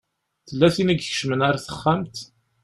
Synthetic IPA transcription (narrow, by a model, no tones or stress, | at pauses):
θəlːæθinæɡçʃmənaɾæθə̥χːæmt̪